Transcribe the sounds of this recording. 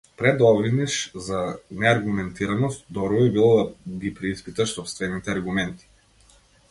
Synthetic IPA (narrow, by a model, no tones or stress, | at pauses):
pɾɛd̪ɔvɾiniʃzanɛaɾɡumɛnt̪iɾanɔst̪̚d̪ɔɾvɔibilˠɔd̪aɡipɾɛispit̪aʃsɔpst̪vɛnit̪ɛaɾɡumɛnt̪i̥